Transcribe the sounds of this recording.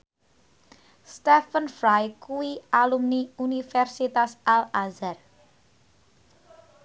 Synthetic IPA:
st̪ɛfənfɾajkuwialumniunifɛrsit̪asʔalazar

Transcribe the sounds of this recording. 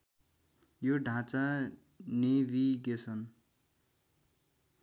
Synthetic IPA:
joɖʱãt͡sa | neβiɡesʌn

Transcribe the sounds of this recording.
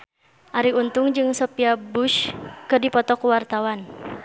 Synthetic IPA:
ʔaɾiunt̪ʊŋd͡ʒɨŋsɔpiabuʃkɨrdipɔt̪ɔkuwart̪awan

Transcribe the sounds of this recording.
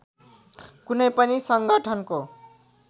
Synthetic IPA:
kunʌjpʌnisʌŋɡʌʈʰʌnko

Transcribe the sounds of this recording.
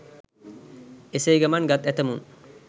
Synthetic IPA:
esejɡɐmanɡat̪ɛt̪ɐmun

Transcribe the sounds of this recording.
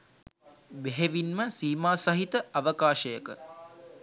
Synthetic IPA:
ʋeɦeʋinməsiːmaːsɐɦit̪əʔɐʋəkaːʃəjəkə̰

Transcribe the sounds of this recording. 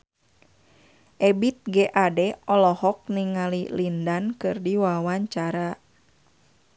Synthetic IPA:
ʔɛbit̪̚ɡɛʔadɛɔlɔhɔk̚niŋalilindankɨrdiwawaɲt͡ʃaɾa

